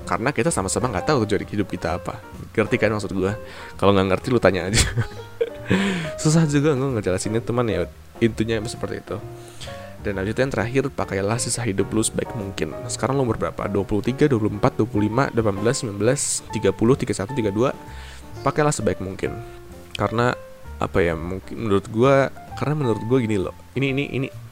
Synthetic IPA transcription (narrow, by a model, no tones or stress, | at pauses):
ka̰rənakit̪asamasamaŋɡat̪aʊkəd͡ʒuadihidʊp̚kit̪aːpa̰ | ŋərt̪ikanmaksʊt̪̚ɡua | kaloŋɡaŋərt̪ilʊt̪aɲaːd͡ʒa | sus̬ahd͡ʒuɡaŋɡaŋəd͡ʒ̪lasinit̪umanja | int̪uɲabsə̥pərt̪ḭːt̪u | danabisit̪uajaŋt̪əɾʔaɦɪrpakajlahsisahɦidʊplusəba̰ɪk̚muŋkɪ̰nsə̥kaɾaŋlomərbəɾapa̰duapulʊht̪iɡaduwap̬ulumpat̪̚duapuluhlima̰dlapanbəlasːəmlanbəlast̪iɡapulʊht̪iɡasat̪ut̪iɡadua | pakajlahsəbaɪk̚muŋkɪ̰n | kaɾəna | ʔa̰paja̰muŋkɪmənuɾʊt̪̚ɡua | kaɾənamənuɾʊt̪̚ɡuaɡinilɔ̰h | iniːniʔḭnḭ